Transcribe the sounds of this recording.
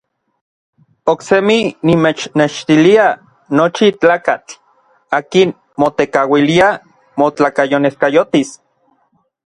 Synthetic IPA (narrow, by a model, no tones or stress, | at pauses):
okseminimet͡ʃneʃt̪ilia | not͡ʃit͡ɬaːkat͡ɬ | aːkin | mot̪ekawilia | mot͡ɬaːkajoneskajot̪is